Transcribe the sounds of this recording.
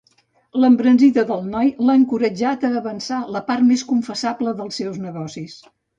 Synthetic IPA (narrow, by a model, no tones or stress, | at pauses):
ləmbɾənziðəðəlˠnɔjlaəŋkuɾəd͡ʒat̪əːβənsaləpaɾt̪meskuɱfəsabləðəlˠsːɛwznəɣɔsis